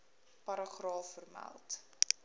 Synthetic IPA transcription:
pɐɾəχrɑːfərmæ̰lˠt

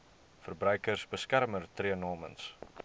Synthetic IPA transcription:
fərbrœɥkərsbəskærmərtriənɑːmə̰ns

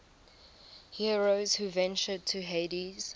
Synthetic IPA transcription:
hiɹoʊz̥huvɛ̃nt͡ʃəd̚tʰuɦediz̥

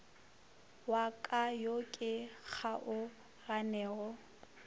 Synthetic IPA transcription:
wakʼajokʼɪk͡xʰaʔʊ | ɣanɛːɣɔ

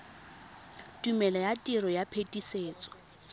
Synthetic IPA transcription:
tʼumɛlajatʼirɔjapʰetʼiseːt͡sʼɔ̥

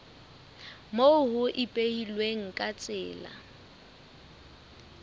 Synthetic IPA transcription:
mohʊʔɪpʼehilweŋ̩kʼat͡sʼɪːla̰

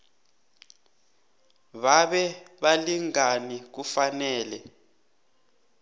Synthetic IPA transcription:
βaɓɛɓaliŋanik̬ufanɛːlɛ

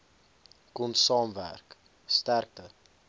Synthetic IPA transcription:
kɔnsɑːmvæ̰rk | stærk̚tə

